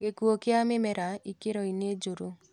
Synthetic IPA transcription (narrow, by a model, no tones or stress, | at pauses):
ɡekuokeamemɛɾaikeɾɔined͡ʒoɾo